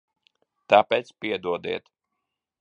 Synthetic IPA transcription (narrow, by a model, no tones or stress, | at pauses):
t̪apɛːt̪spiɛd̪uɔd̪ḭɛt̪